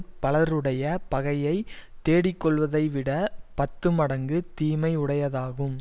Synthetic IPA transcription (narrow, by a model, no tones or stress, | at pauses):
pɐɭɐɾɯɽɐjɐpɐɣɐjɐɪt̪ːeːɽɪkːɔɭʋɐðɐɪʋɪɽɐpɐt̪ːɯmɐɽɐŋɡɯt̪iːmɐɪʊɽɐjɐðaːɣɯm